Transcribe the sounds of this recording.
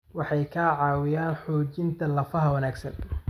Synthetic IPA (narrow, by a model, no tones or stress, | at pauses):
wɑħɑjkʰaːʕɑːwɪjaːnħɔːt͡ʃɪnt̪ʰɐlɐfɐɦɐwɐnaːɡsɐ̰n